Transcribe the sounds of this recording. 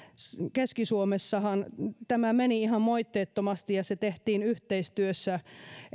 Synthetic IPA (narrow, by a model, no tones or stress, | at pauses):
keskisuomesːɑhɑnt̪æmæmeniihɑmmoit̪ːeːt̪ːomɑst̪ijɑset̪eht̪iːnyht̪eist̪yøsːæ